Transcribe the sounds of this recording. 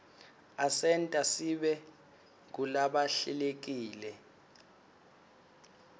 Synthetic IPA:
asɛntʼasiɓɛ | kulaɓaɬḭlek̬iːlɛ

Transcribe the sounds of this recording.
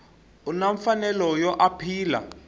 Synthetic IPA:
unaɱfanɛlɔjɔʔapʰiːla̰

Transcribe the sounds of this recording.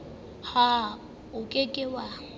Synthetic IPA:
ha | ʊkʼekʼɪwa

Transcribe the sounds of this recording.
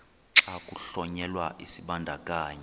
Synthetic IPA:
ǁakʼuɬɔɲɛlwaʔisiɓandʱakʼaːɲɛ

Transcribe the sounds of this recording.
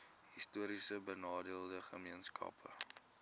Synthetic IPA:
ɦistuəɾisəbənɑːdiəlˠdəχəmiənskʰɐ̰pʰə̰

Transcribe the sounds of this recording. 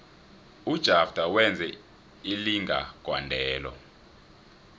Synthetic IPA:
ud̥ʒ̥ʱafd̥ʱawɛnd͡zʱɛ | iliŋɡʱa̰ɡ̥ʱwa̰ndʱɛːlɔ̰

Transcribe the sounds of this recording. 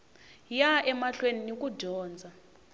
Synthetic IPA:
jaʔɛmaɬweninik̬ʼuɟʱɔːnd͡zʱa

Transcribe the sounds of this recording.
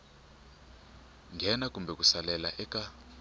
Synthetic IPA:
ŋɡʱɛnak̬ʼumbʱɛk̬ʼusalɛlaʔɛkʼa

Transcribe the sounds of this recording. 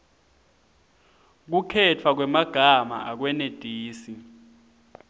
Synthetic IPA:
k̬ukʰɛtʰwak̬wɛmaɡ̥ʱama̰ʔak̬wɛned̥ʱiːsi

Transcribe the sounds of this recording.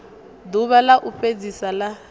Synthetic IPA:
duβalaʔuɸed͡zisala

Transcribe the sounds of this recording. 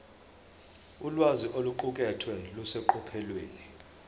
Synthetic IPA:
ulwaziʔoluǃuk̬ʼɛtʰwɛlusɛǃɔpʰɛlweːni

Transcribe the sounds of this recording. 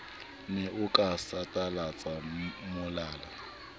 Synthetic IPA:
nɛʔʊkʼasatʼalat͡sʼamʊlaːla

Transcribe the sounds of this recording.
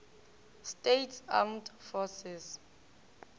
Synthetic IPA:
stetʰamdfɔsɛs

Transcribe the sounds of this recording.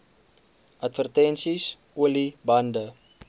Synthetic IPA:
ʔɐtfərtɛnsis | uəlibɐndə

